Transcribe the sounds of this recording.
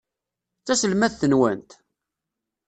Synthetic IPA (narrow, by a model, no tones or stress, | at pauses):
t͡sːæsəlmæθθənwæ̰nt̪